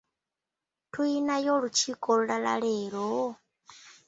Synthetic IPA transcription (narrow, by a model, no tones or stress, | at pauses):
tʰuinajɔɺut͡ʃʰikʼɔɺuɺala̰ɺɛːɺɔ